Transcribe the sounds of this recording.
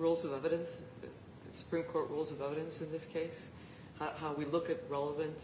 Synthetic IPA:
ɹulˠzʌvɛvɨɾɨ̃ns | ɨsə̥pʰɹ̥ĩmkʰɔɹʔɹulˠzʌvɛvɨɾɨ̃nsɨ̃nðɪskʰeɪs | hahaʊwilʊkɨt̚ɹɛlˠəvɨ̃nt

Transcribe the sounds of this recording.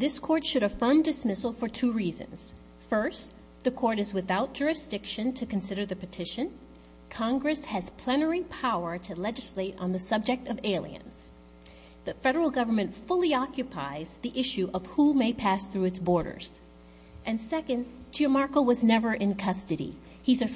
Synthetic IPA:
ðɪskʰɔɹtʃɨɾɨfɜ̃˞mdɨsmɪsl̩ˠfə˞tʰʉɹizɨ̰̃nz̥ | fɜ˞s | ðɨkʰɔɹɾɨzwɨθaʊt̚d̥ʒ̥ʊɹɨsd̥ɪkʃɨ̃ntʰɨkɨ̃n̩sɪɾə˞ðɨpɨtʰɪʃɨ̃n | kʰɑ̃ŋɡɹɨshɨz̥pʰl̥ɛnə˞ĩpʰaʊə˞ɾɨlɛd͡ʒɨsleɪɾn̩ðɨsʌb̚d͡ʒɨk̚tʌveɪlˠḭɨ̰̃nz̥ | ðɨfɛɾə˞l̩ˠɡʌvə˞mɨ̃ntfʊlˠiɑkjɨpʰa̰ɪzðiʔɪʃʉʔʌv̥humeɪpʰæsθɹʉɨtsb̥ɔɹɾə̰˞z̥ | ʔɨ̃nsɛkɨ̃ndd͡ʒiəmɑɹkl̩ˠwʌznɛvə˞ʔɨ̃nkʰʌstɨɾḭ | izɨ

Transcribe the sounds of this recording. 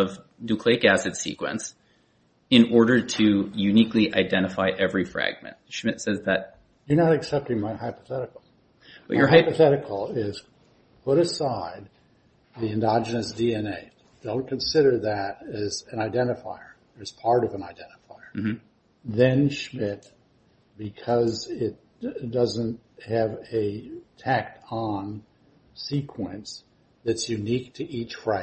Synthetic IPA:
ʌv | nʉkʰl̥iɪkæsɨd̥sḭkwə̰̃ns | ɨ̃nɔɹɾə˞ɾʰɨjʉnikliʔa̰ɪdɛ̃ɾ̃ɨfaɪʔɛvɹifɹæ̰ɡ̚mɨ̰̃nt̚ʃmɪtsɛzðɨt̚ | jə˞nəɾɨksɛp̚tɪ̃ŋmaɪhaɪpə̥θɛɾɨkl̩ˠ | b̥ʌ̰jə˞aɪpɨθɛɾɨkʰl̩ˠɪz̥ | pʰʊɾɨsaɪd̪̚ | ðiɨ̃ndɑd͡ʒɨnɨsd̥iɛ̃neɪt | d̥õʊ̃nkʰɨ̃n̩sɪɾə˞ðɨɾɨzɨ̃naɪdɛ̃ɾ̃ɨfa̰ɪə˞ | əɨz̥pʰɑɹɾʌvə̃naɪdɛ̃ɾ̃əfaɪə˞ | ðɨ̃nʃmɪt̚ | b̥ɨkʰʌzɪt̚ | d̥ʌzɨ̃nt̚ | hɨvɨtʰæk̚tn̩ | sikʰwəɨ̃ns | ðɨtsjʉnik̚tʰɨʔit͡ʃfɹaɪ

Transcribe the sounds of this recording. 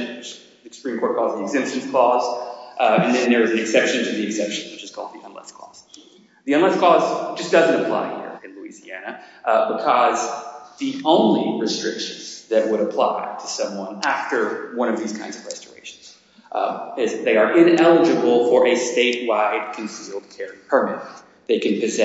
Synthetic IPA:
t͡ʃ | ðsɨ̥pʰɹ̥ĩmkʰɔɹt̚kʰɔzðiɨɡzɪ̃mstɨ̃n̩skʰl̥ɔz | ɨ̃nðɨ̃nðə˞ɨzɨ̃nɨksɛpʃɨ̃ntʰɨðiɨksɛpʃɨ̃n̩wɨt͡ʃɨz̥kʰɔ̰lˠd̪̚ðiʔɛ̃nlɛ̰skʰɔ̰z̥ | ðiɛ̃nlɛskʰɔz̥d͡ʒʌsd̥ʌzɨ̃ntɨpʰl̥a̰ɪhḭɹɨ̃nluḭziænɨbəkʰʌzðiʔõʊ̃nliɹɨstɹ̥ɪ̰kʃɨ̃n̩zðɨt̚wəɾəpʰl̥a̰ɪɾʰɨsʌ̃mwʌ̃næftə˞wʌ̃ɾ̃ʌvðiz̥kʰãɪ̃nzʌvɹɛstə̰˞ḛɪʃn̩z̥ | ɪzðeɪə˞ʔɪ̃nɛlˠəd͡ʒɨbl̩ˠfə˞ʔɨsteɪʔ̚waɪɨd̚kʰɨ̃nsɪl̩ˠd̚kʰɛɹipʰə˞mɪɾɨ̃n | ðeɪkɨ̃npʰɨzɛ

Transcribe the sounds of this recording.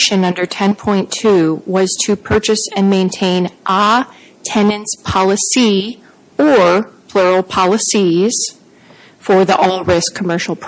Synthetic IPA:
ʃɨ̃nʌ̃ndə˞tʰɛ̃npʰɔ̃ɪ̃ntʰʉwʌz̥tʰɨpʰɜ˞t͡ʃɨsɨ̃nmẽɪ̃ntʰẽɪ̃nʔɑ | tʰɛ̃nɨ̃nspʰɑlˠəsi | ə˞pʰl̥ʊɹl̩ˠpʰɑlˠəsiz̥ | fə˞ðiʔɔlˠɹɪskʰəmɜ˞ʃl̩ˠpʰ

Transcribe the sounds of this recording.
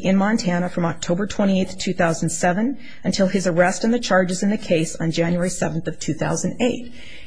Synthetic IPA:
ʔɨ̃nmɑ̃ntʰæñəfɹʌ̃mɑk̚tʰoʊbə˞tʰw̥ɛ̃ɾ̃ieɪθtʰʉθaʊzn̩d̥sɛvɨ̃n | ɨ̃ntʰɪlˠɨzə˞ɛstn̩ðɨt͡ʃʰɑɹd͡ʒɨzɨ̃nðɨkʰeɪsn̩d͡ʒæ̃njuɛɹisɛvn̩θʌv̥tʰʉθaʊz̃n̩deɪt̚

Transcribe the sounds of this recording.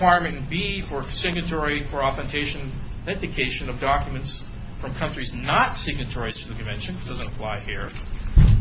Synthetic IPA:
waɪɹmɨ̃ñnbifə˞sɪɡ̚nɨtʰɔɹifə˞ɑθɨ̃ntʰeɪʃɨ̃n | ɛdɨkʰeɪʃɨ̃nʌvdɑkjmɨ̃nts | fɹʌ̃mkʰʌ̃nt͡ʃɹ̥iznətsɪɡ̚nɨtʰɔɹiz̥tʰɨðɨkʰɨ̃ɱvɛ̃nʃɨ̃nwɨt͡ʃd̥ʌzɨ̃ntəpʰl̥aɪhiɹ

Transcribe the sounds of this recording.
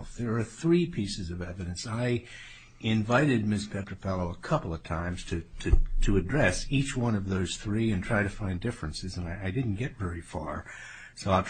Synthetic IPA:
fðə˞ːθɹipʰisɨzʌvɛvɨɾɨ̃nsaɪ | ɪ̃ɱvaɪɾɨd̚mɪspʰɛp̚tə˞fɛlˠoʊəkʰʌpl̩ˠʌv̥tʰãɪ̃mz̥tʰɨɾɨɾɨɨdɹɛsit͡ʃwʌ̃nʌvðoʊz̥θɹiɨ̃ntʰɹ̥aɪɾtʰɨfãɪ̃ndɪfɹɨ̃nsɨzɨ̃naɪʔaɪdɪdⁿn̩ɡ̥ɛtvɛɹifɑ̰ɹ | soʊaɪlˠ

